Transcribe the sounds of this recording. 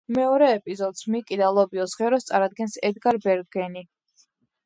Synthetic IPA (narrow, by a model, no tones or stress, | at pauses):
mɛɔɾɛːpʼizɔd̪smikʼid̪alˠɔbiɔsχɛɾɔst̪sʼaɾad̪̚ɡɛnsɛd̪ɡaɾbɛɾɡɛni